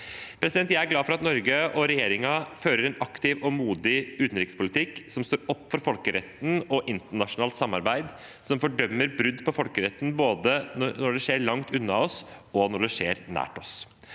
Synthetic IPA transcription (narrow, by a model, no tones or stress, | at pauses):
pʰɾɛsɪd̪ɛnt̪jæɪæɾɡlɑːfɔɾɑt̪nɔɾɡəɔɾɛjeːɾɪŋɑføːɾəɾɛnɑkt̪ɪʋɔmuːd̪ɪʉːt̪nɾɪkəspʰʊlɪt̪ʰɪkːsɔmst̪oːɾɔpːfɔɾfɔlkəɾɛ̰t̪ːn̩ɔʔɪnt̪əɳɑʂʊnɑːlt̪sɑmːɑɾbæɪd̪ | sɔmfɔɖœmːəɾbɾʉd̪ːpʰɔfɔlkəɾɛt̪ːn̩boːd̪ənɔɖɛʂeːɾɭɑŋt̪ʰʉnːɑɔsɔnɔɖɛʂḛːɾnæ̰ːʈɔs